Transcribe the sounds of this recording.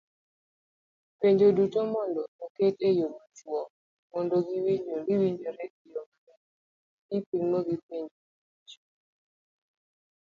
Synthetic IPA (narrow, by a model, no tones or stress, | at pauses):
peɲd͡ʒodutomɔndɔnɔketejobot͡ʃwɔ | mɔndoɡiwiɲd͡ʒoɡiwiɲd͡ʒoɾet̚ijɔ | ipilmɔɡipeɲd͡ʒoit͡ʃo̥